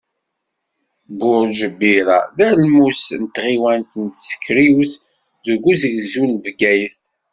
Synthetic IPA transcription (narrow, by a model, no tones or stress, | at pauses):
bʊɾʒəbːiɾa̰ðæɾlmusnt̪ːʁiwænt̪nt̪sə̥kʰːɾiwθ | ðuɡʷuzəʝzulvɡæjθ